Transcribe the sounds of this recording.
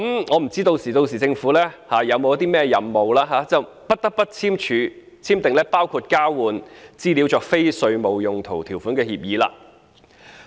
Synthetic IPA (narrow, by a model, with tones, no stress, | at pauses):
kmŋɔː˨˧m̩˨˩t͡siː˥t̪o˧wsiː˨˩t̪o˧wsiː˨˩t͡sɪ˧ŋfuː˨˥lɛː˥haː˨˧jɐ˨˧wmo˨˧jɐ˥t̪iː˥mɛː˥jɐ˨˧mːo˨wlaː˥ɦaː˨˥t͡sɐ˨w | pɐ˥t̚t̪ɐ˥k̚pɐ˥t̚t͡sʰiː˥mt͡ʃʰyː˨˧ | t͡sʰiː˥mt̪ɪ˨ŋlɛː˥paː˥wkʰuː˧t̚kaː˥wuː˨nt͡siː˥˩li˨˧˥wt͡ʃɔː˨˧k̚fe˥jsɵ˧ɥmo˨˧wjʊ˨ŋt̪ʰo˨˩wt̪ʰiː˨˩wfu˨˥nkɛː˧hiː˧p̚jiː˨˧la̰ː˧